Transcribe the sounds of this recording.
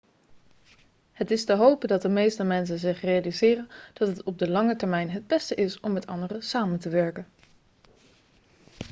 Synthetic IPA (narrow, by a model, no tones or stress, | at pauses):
hətɪstəɦowpədɑt̚dəmejstəmɛns̬ənzɪχrejalizɪːrənd̥ɑtɦətɔb̚dəlɑŋətəɹmɛjnɦəd̚bɛstəʔɪsɔmːɛtɑ̰ndərəsaːməntəʋɛɹkən